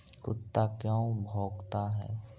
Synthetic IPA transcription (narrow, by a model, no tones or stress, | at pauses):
kʊt̪ːakjɔ̃bʱoːɡt̪aɦɛ̰ː